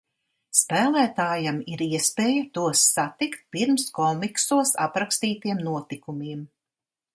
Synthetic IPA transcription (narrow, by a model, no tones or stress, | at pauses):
spæːlˠæːt̪aːjamiɾiɛspeːjat̪uɔsːat̪ikt̪̚piɾmskɔmiksuɔsa̰pɾakst̪iːt̪iɛmnuɔt̪ikumiːm